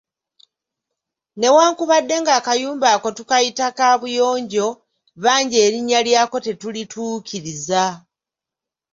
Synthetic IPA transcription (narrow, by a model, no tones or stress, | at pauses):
ne̞waːŋkuβadːe̞ŋɡaːkajuːmbaːko̞tukajitakaːβujo̞ːɲɟo̞ | βaːɲɟe̞ːɾiɲːaljaːko̞te̞tulituːcʰiɾiza